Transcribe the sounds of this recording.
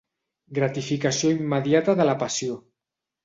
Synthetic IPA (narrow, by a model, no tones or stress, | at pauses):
ɡɾat̪ifikasioimːəðjat̪aðəlapasio